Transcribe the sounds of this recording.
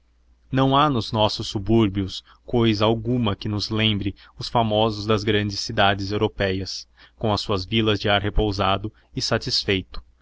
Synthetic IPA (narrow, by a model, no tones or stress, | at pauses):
nɐ̃w̃anʊznɔsʊsːubuɾbiʊs | kojzɐawɡũmɐkɪnʊzlẽmbɾɪ | ʊsfamɔzʊzd̪ɐzɡɾɐ̃nd͡ʒɪsːid̪ad͡ʒɪzewɾopɛjɐs | kõw̃ɐsuɐzvilɐzd͡ʒɪaɾɦepowzad̪ʊ | ɪsat͡ʃisfejt̪ʊ̥